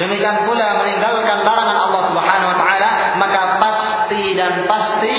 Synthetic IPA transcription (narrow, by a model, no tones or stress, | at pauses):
dəmikianpulaməniŋɡalkanlaɾaŋanɑlːɑhsubħanawat̪aala | makapas | t̪idanpast̪i